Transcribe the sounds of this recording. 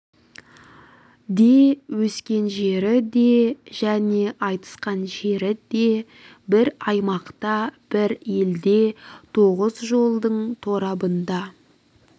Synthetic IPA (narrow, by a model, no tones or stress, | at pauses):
d̪e̞wɵskʲe̞nʒe̞ɾɪd̪e̞ʒæne̞ʔɑjt̪ə̥sqɑnʒe̞ɾɪd̪e̞ | bɪɾɑjmɑqt̪ɑb̥ɪɾje̞ld̪e̞t̪ʰoʁəzʒo̞lˠd̪əɴt̪ʰo̞ɾɑbənd̪ɑ